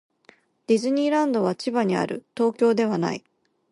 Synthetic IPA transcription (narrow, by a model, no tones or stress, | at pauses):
d̪̥ʲizɨɲ̟ʲiːɾãnd̪o̞β̞at͡ɕibaɲ̟ia̰ɾɯ̟̰t̪o̞ːkʲo̞ːd̪e̞β̞ana̰i